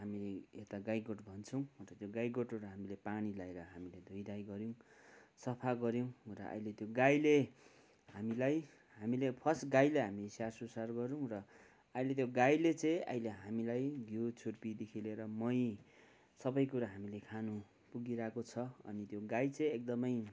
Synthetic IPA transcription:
ɦamileet̪aɡajɡoʈbʱʌnt͡sʰʌw̃t̪at̪joɡajɡoʈoɾaɦamilepanilaeɾʌɦamiled̪ʱojd̪ajɡʌɾjõw̃sʌpʰaɡʌɾjow̃rʌ̰ʔʌ̰jlet̪joɡajle | ɦamilaj | ɦamilepʰʌsɡajleɦamisjarsusarɡʌɾũrʌ | ʌjlet̪̬joɡajlet͡sʌ̃j̃ʌ̰jleɦamilajɡjot͡sʰurpid̪ikʰileɾʌmʌj | sʌbʌjkuɾaɦamilekʰanu | puɡiɾakot͡sʰʌʌ̰nit̪joɡajt͡sʌ̃j̃ek̚d̪ʌmʌj

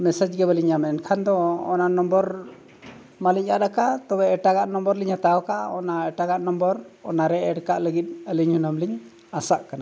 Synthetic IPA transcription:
mɛsad͡ʒɡɛβəliɲamɛɛnkʰand̪ɔ̰ːnanɔmbɔɾ | maliɲʔaɗ̪akat̪ɔbɛɛʈaɡaʔnɔmbɔɾliɲhat̪aɔkaɔnaɛʈaɡaʔnɔmbɔɾɔnaɾɛɛɽkaʔləɡit̪̚ˀəliɲhunamliɲ | asaʔkana

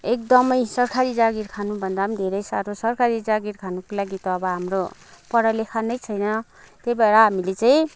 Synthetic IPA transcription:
ek̚d̪ʌmʌjsʌrkʰaɾid͡zaɡirkʰanubʱʌnd̪amid̪ʱeɾʌjsaɾosʌrkʰaɾid͡zaɡiɾkʰanukolaɡit̪ʌbʌɦamropʌɽʌlekʰanʌjt͡sʰʌjnʌ | t̪ejbaɾaɦamilet͡saĩ

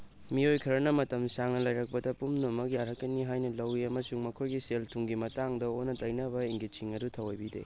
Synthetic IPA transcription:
miojkʰɐɾɐnɐmɐtɐmsaŋnɐlɐjɾɐk̚pɐdɐpumnomɐkjaɾɐkːɐniɦajnɐlɐwiɐmɐsuŋmɐkʰojɡiseltʰuŋɡimɐtaŋdɐonːɐtɐjnɐβɐeŋɡit͡ʃiŋɐdutʰɐwajbidḛ

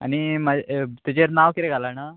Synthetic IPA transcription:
a̰nimat̪id͡ʑeɾnaʋkit̪eɡʱalana

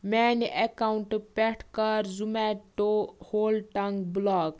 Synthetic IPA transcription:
mɛniʔekauɳʈpɛʈʰkɐɾzumɛʈohoːlʈɐŋɡblaːk

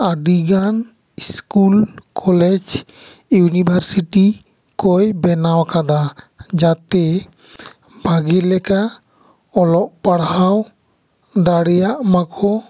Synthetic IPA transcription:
aɖiɡan | skulkʰɔlɛd͡ʒ | junibʱaɾsiʈi | kɔjbɛnawkad̪a | d͡ʒat̪ɛ | bʱaɡilɛka | ɔlɔʔpaɽaw | d̪aɽɛjaʔmakʰɔ

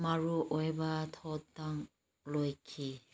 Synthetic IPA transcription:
maɹuʔɔjbatʰɔtaŋ | lɔjkʰi

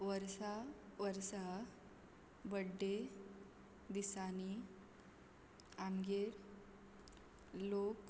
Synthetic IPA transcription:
ʋəɾsaʋəɾsa | bəɖːe | d̪isani | aŋɡeɾ | lok

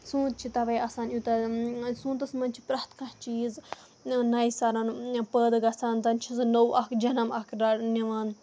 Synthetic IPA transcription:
sũːt̪̚t͡ʃʰit̪ɐʋɐjɐsaːnjut̪ɐsũːt̪ɐsmɐnt͡ʃʰi̥pɾɐːt̪kat͡ʃiːz | nɐjsɐɾɐnpəːd̪ɨɡɐsaːnt̪ɐnt͡ʃʰisnowɐkd͡ʒɐnɐmɐkʰɾɐniʋan

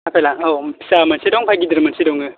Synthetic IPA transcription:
apʰelaŋɔpʰi̥samansidɔŋpʰajɡid̪ɯɾɯmansidɔŋɯ

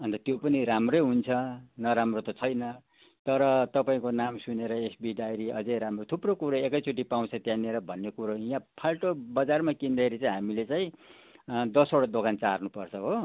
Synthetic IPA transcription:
ʌnt̪ʌt̪jopʌniɾamrʌjɦunt͡sʰʌnʌɾamrot̪ʌt͡sʰʌjnʌ | t̪ʌɾʌt̪ʌpaĩkonamsuneɾʌesbiɖajɾiʔʌ̰d͡zʌjɾamrot̪ʰuprokuɾoekʌjt͡sʰuʈ̬ipaw̃t͡sʰʌt̪jãneɾʌbʱʌnːekuɾoijãpʰalʈobʌd͡zarmakind̪ʌeɾit͡saĩɦamilet͡saĩ | d̪ʌsoɽad̪okʰant͡sarnupʌrt͡sʰʌɦo

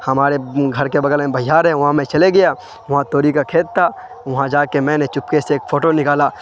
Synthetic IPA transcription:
hɐmaːɾeɡʱɐɾkebɐɡəlmẽbɐjaːɾɦɛ̃ʋɐɦãmẽt͡ʃɐleɡɐja | ʋɐɦãt̪oːɾikakʰeːt̪̚t̪ʰːa | ʋɐɦãd͡ʒaːkemɛ̃ːnet͡ʃʊpkeseːkfʰoːʈonɪkaːlaː

